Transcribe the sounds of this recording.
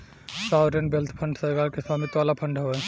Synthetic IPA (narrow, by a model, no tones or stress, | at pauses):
saːwɾenbelt̪ʰpʰə̃ɳɖsəɡakesaːmit̪ʋaːlapʰə̃ɳɖɦoɛ